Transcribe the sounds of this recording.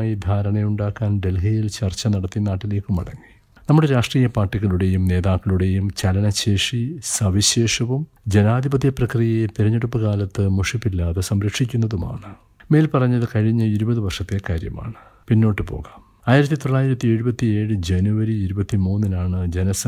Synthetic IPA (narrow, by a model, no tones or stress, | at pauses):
jid̪ʱaːɾɐɳɐjuɳɖaːkːaːnɖe̞lɦɐjilt͡ɕɐrt͡ɕːɐnɐɽɐt̪ːinaːʈːile̞ːkːumɐ̰ɽɐ̰ŋːi | nɐmːuɽe̞ɾaːʂʈriːjɐpaːrʈːiɣɐɭuɽe̞jumne̞ːðaːkːɐɭuɽe̞jumt͡ɕɐlɐnɐɕeːʂisɐʋiɕeːʂɐʋum | d͡ʑenaːd̪ʱibɐt̪ːjɐprɐkrijɐjet̪iɾɐɲːeɽupːɨkaːlɐt̪ːɨmuʂipːilːaːðesɐmɾɐkʂikʲːunːɐðuma̰ːɳɨ | me̞ːlpɐrɐɲːɐðɨkɐɻiɲːɐiɾubɐðɨʋɐrʂɐt̪ːe̞kaːɾjɐma̰ːɳɨpinːo̞ːʈːɨpo̞̰ːɣaːm | aːjiɾɐt̪ːit̪o̞ɭːaːjiɾɐt̪ːie̞ɻubɐt̪ːie̞ːɻɨd͡ʑenuʋɐɾiːɾubɐt̪ːimuːnːinaːɳɨd͡ʑe̞nɐsɐ